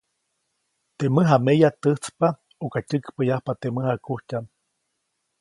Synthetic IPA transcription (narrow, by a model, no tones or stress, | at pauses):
t̪eməɦamejat̪ɨht͡spa | okacʲɨkpəjahpat̪eməhakuhcʲam